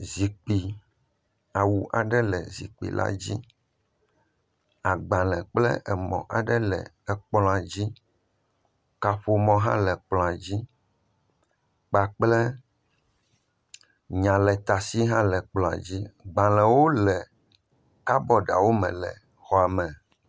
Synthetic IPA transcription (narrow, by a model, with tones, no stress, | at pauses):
zi˨k͡pi˨ | a˨wu˨ʔa˨ɖɛ˦lɛ˨zḭ˨k͡pḭ˨lʔa̰˦d͡ʑḭ˦ | a˨ɡ͡bã˨lɛ̃˨k͡plɛ̰˦ʔɛ˨mɔ̰̃˨ʔa˨ɖɛ˦lɛ̰˨ | ɛ˨k͡plɔ̃˨a˨d͡ʑi˦ | ka˨ɸo˦mɔ̃˦ɦã̰˦lɛ˨k͡plɔ̃˨a˨d͡ʑi˦ | k͡pa˨k͡plɛ˦ | ɲã˨lɛ˨t̪a˨si˦ɦã˦lɛ˨k͡plɔ̃˨a̰˨d͡ʑi˦ɡ͡bã˨lɛ̃˨wo˦lɛ˨ | ka˦bɔ˦ɖa̰˨wo˦mɛ̰̃˨lɛ̰˨ | xɔ˦a˨mɛ̃˨